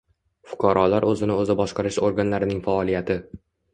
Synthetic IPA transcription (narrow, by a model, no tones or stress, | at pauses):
fʊ̥qʰɑɾɒlaɾɵzɪnɪɵzɪbɒʃqɑɾɪʃoɾɡanlaɾɪnɪŋfaɒlijat̪ʰɪ